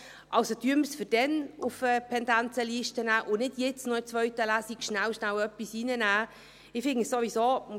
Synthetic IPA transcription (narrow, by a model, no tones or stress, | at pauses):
ʔɑwsod̥yəməsfɪɾd̥ɛnufəpʰɛndænt͡səliːʃtənæːʔʊnɪdjɪt͡snɔɪt͡sʋœɥtəlæsikʃnæwʃnæwœpːisiːnənæː | ɪfɪŋɪsoʋisoː